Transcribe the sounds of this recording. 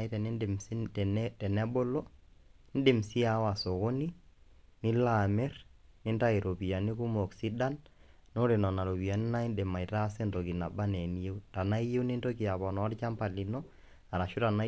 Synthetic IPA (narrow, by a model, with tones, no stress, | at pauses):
itɛ˨ni˦nde˨msi˦˨tɛ˨nɛ˦bo˦lo˦n̩˦de˨msi˦a˨wa˨so˨ɣo˦ni˦ni˦la˨mɛ˦rni˦nta˦e˨ɾo˨pi˨ja˨ni˦ku˦mɔ˨ksi˦da˦n | no˦ɾe˨nɔ˨na˨ɾo˨pi˨a˨ni˦na˦i˦nde˨ma˨i˨ta˦sɛ˦nto˨ki˨na˨ba˦nɛ˨n˦je˦u˦ta˨na˦i˦je˦wni˦nto˦ki˨a˨bɔ˨nɔ˨˦ɾt͡ʃa˦mpa˨li˨nɔ˦ | a˨ɾa˨ʃu˦ta˨na˦